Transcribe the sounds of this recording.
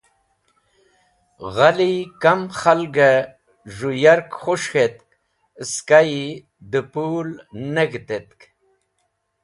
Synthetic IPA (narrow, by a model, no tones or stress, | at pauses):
ɣalikamxalɡa | ʐujaɾkχuʂxet̪ | skaji | d̪əpuːlneɡt̪et̪k